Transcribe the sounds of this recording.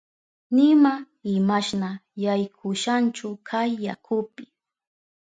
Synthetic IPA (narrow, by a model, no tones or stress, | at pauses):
nɪma | ɪmaʃnajajkʰʊʃant͡ʃʊkʰajːa̰kʰʊpɪ